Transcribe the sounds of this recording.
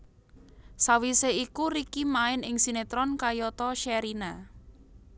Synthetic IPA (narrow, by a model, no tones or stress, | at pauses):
sawiseikuɾikimaɪnɪŋsinet̪ɾɔnkajɔt̪ɔʃɛɾina